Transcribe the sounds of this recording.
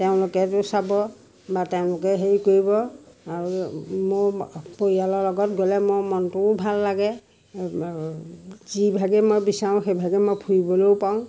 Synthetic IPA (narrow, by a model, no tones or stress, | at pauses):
teʊ̃lʊkɛtʊsabɔ | bateʊ̃lʊk̬ɛɦeɹikoɹibɔaɹumopoɹialɔlɔɡɔtɡolɛmɔmɔntʊbʱalːaɡɛ | zibʱaɡɛmɔjbisaʊ̃xejbʱaɡɛmojpʰujibɔloʊpaʊ̃